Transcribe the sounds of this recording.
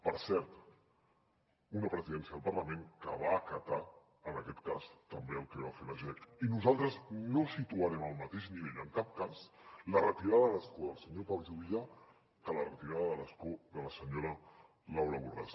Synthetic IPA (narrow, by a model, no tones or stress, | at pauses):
pəɾsɛɾt̪ | unəpɾəziðɛnsiəðəlˠpəɾləmeŋkə̰βaːkət̪a | ənəkɛt̪kast̪əmbeəlˠkɛβafeləʒeinuzalˠt̪ɾəznosit̪uəɾɛməlˠmət̪eʃniβɛʎəŋkap̚kazlərət̪iɾaðəələskoðəlˠsəɲopawlʒuβiʎa | kələrət̪iɾaðəðələskoðələsəɲoɾə | lawɾəβura̰s